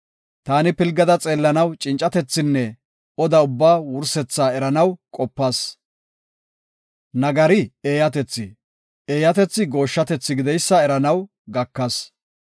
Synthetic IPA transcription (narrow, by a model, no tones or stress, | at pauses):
t̪aːnɪpɪlɡɐd̪ɐt͡sʼeːlːɐnɐwt͡ʃʼɪnt͡ʃʼːɐt̪ɛt͡sːɪnːɛ | ɔd̪ɐʊbːaːwʊɾsɛt͡sːaːɛɾɐnɐwkʼɔpːɐs | nɐɡɐɾɪeːjɐt̪ɛt͡sːɪ | eːjɐt̪ɛt͡sːɪɡo̞ːʃːɐt̪ɛt͡sːɪɡɪd̪ɛjsːɐɛɾɐnɐw | ɡɐkːɐs